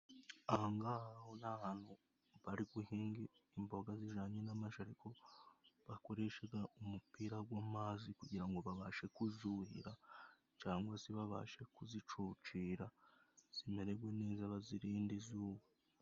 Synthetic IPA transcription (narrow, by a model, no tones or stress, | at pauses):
aŋɡahahonahan̥hu | βaɾiɡuhiːŋɡiːmbo̞ɡaziʒaːɲenamaʃaɾiko̞βako̞ɾe̞ʃeɡaʔumupiːɾaɡwaːmaːzikuɟiɾaŋɡo̞βaβaʃe̞kuzuhḭɾa | t͡ʃaːŋɡwasiβaβa̰ʃe̞kuzit͡ʃuːt͡ʃiːɾaz̥ime̞ɾe̞ɡwe̞neːzaβaziɾiːndizuːwe